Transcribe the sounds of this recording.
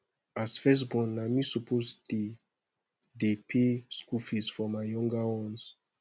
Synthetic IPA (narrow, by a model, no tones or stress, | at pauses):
asfɛs̬bɔ̃namisɔpʰostu | depʰeskufisfɔmaɪjɔ̃ŋɡawɔ̃ns